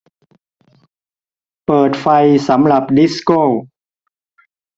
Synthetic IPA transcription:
pɤː˨˩t̪̚fa˧jsa˩˦mɾa˨˩p̚di˦˥skoː˥˩w

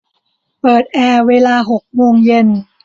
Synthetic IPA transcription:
pɤː˨˩t̪̚ʔɛː˧˩weː˧laː˧ɦo˨˩k̚moː˧ŋje˧n

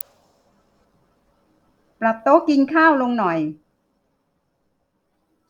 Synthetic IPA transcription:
pɾa˨˩p̚t̪o˦˥ki˧nkʰaː˥˩wlo˧ŋnɔ˨˩j

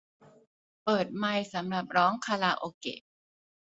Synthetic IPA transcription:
pɤː˨˩t̪̚ma˧jsa˩˦mɾa˨˩p̚ɾɔː˦˥ŋkʰaː˧laː˧ʔoː˧kḛ˨˩

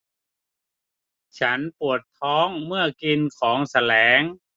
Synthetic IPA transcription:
t͡ɕʰa˦˥npu˨˩ət̪ʰːɔː˦˥ŋmɯ˥˩ɐki˧nkʰɔː˩˦ŋsa˧lɛː˩˦ŋ

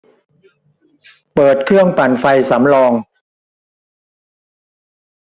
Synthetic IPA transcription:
pɤː˨˩t̪̚kʰɾɯ˥˩əŋpa˨˩nfa˧jsa˩˦mlɔː˧ŋ

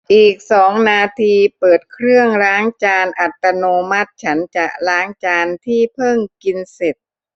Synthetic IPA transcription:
ʔiː˨˩k̚sɔː˩˦ŋnaː˧t̪ʰiː˧pɤː˨˩t̪̚kʰɾɯ˥˩əŋɾaː˦˥ŋt͡ɕaː˧nʔa˨˩t̪ːa˧noː˧ma˦˥t̪̚t͡ɕʰa˦˥nt͡ɕa˨˩ʔɾaː˦˥ŋt͡ɕaː˧nt̪ʰiː˥˩pʰɤ˥˩ŋki˧nse˨˩t̪̚

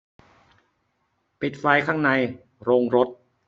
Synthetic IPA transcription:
pi˨˩t̪̚fa˧jkʰaː˥˩ŋna˧j | ɾoː˧ŋɾo˦˥t̪̚

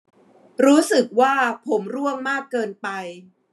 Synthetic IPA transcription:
ɾuː˦˥sɯ˨˩k̚waː˥˩pʰo˩˦mɾu˥˩əŋmaː˥˩kːɤː˧npa˧j

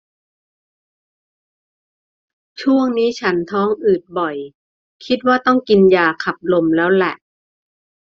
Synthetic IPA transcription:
t͡ɕʰu˥˩əŋniː˦˥t͡ɕʰa˦˥nt̪ʰɔː˦˥ŋʔɯː˨˩t̪̚bɔ˨˩j | kʰi˦˥t̪̚waː˥˩t̪ɔ˥˩ŋki˧njaː˧kʰa˨˩p̚lo˧mlɛː˦˥wlɛ˨˩ʔ

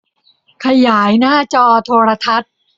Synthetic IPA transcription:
kʰa˧jaː˩˦jnaː˥˩t͡ɕɔː˧t̪ʰoː˧ɾa˧t̪ʰa˦˥t̪̚

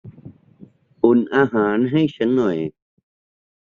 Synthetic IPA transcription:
ʔu˨˩nʔaː˧ɦaː˨˩˦nɦa˥˩jɕʰa˦˥nːɔ˨˩j

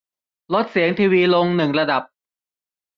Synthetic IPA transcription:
lo˦˥t̪̚si˩˦əŋt̪ʰiː˧wiː˧lo˧ŋnɯ˨˩ŋɾa˧da˨˩p̚

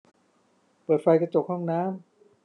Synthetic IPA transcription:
pɤː˨˩t̪̚fa˧jkɾa˧t͡ɕo˨˩k̚hɔ˥˩ŋnaː˦˥m

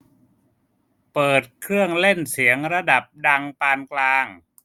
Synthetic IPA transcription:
pɤː˨˩t̪̚kʰɾɯ˥˩əŋle˥˩nsi˩˦əŋɾa˧da˨˩p̚da˧ŋpaː˧nklaː˧ŋ

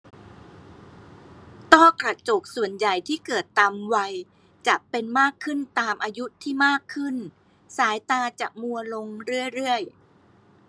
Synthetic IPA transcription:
t̪ɔ˥˩kɾa˧t͡ɕo˨˩k̚su˨˩ənja˨˩jt̪ʰiː˥˩kɤː˨˩t̪ːa˧mwa˧j | t͡ɕa˨˩pe˧nmaː˥˩kʰːɯ˥˩nt̪aː˧mʔaː˧ju˦˥t̪ʰːiː˥˩maː˥˩kʰːɯ˥˩n | saː˩˦jt̪aː˧t͡ɕa˨˩mu˧ɐlo˧ŋɾɯ˥˩əjɾɯ˥˩əj

